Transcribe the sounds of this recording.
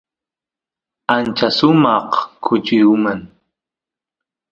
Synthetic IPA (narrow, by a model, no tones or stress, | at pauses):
ant͡ʃasʊmɑqkʰʊt͡ʃɪmaŋ